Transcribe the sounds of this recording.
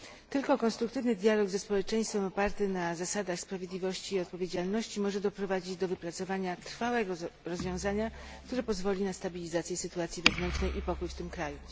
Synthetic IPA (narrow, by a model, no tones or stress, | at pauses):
t̪ɘlkɔkɔnst̪ɾukt̪ɘvnɘd̪ʲjalɔɡzɛspɔwɛt͡ʂɛj̃st̪fɛmɔpaɾt̪ɘnazasad̪axspɾavjed̪lʲivɔɕt͡ɕiːɔt̪̚pɔvʲjed͡ʑalnɔɕt͡ɕimɔʐɛd̪ɔpɾɔvad͡ʑid͡ʑd̪ɔvɘpɾat̪sɔvaɲat̪ɾ̥fawɛɡɔɾɔzvʲjɔ̃w̃zaɲakt̪uɾɛpɔzvɔlʲinast̪abʲilʲizat̪sʲjɛsɘt̪uat̪sʲjivɛvnɛnt͡ʂnɛjʔipɔkujft̪ɘmkɾaju